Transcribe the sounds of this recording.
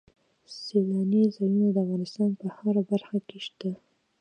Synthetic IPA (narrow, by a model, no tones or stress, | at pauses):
selɑnizɑjunad̪əafɣɑnɪst̪ɑnpəhaɾabaɾxakeʃt̪a